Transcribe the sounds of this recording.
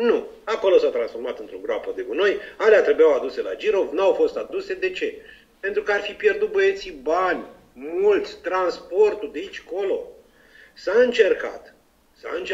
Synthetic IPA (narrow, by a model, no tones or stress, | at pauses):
nu | ako̞lo̞sat̪ɾansfo̞rmat̪ɨnt̪ɾoɡɾoapəd̪e̞ɡuno̞jaleat̪ɾe̞bujawad̪use̞la̰d͡ʒiɾo̞vnawfo̞st̪ad̪use̞d̪e̞t͡ʃe̞ | pe̞nt̪ɾukəarfipje̞rd̪ut̪̚bəe̞t̪sibanʲ | mult̪sʲt̪ɾanspo̞rt̪ud̪eit͡ʃʲko̞lo̞ | saɨnt͡ʃe̞rka̰t̪ | sa̰ɨnt͡ʃ